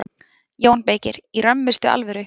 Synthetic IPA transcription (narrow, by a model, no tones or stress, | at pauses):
joːwnpeːjcɪɾirœmːɪst̪ʏa̰lvɛɾʏ